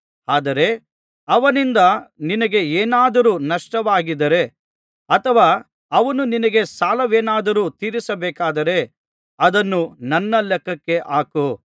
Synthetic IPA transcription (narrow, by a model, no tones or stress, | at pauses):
aːd̪ɐɾe̞ | ɐʋɐnind̪ɐninɐɡe̞eːnaːd̪ɐɾuːnɐʂʈɐʋaːɡid̪ɐɾe̞ | ɐt̪ʰɐʋaː | ɐʋɐnuninɐɡe̞saːlɐʋeːnaːd̪ɐɾuːt̪iːɾisɐbɛːkaːd̪ɐɾe̞ | ɐd̪ɐnːunɐnːɐlɛkːɐkːe̞ʔaːku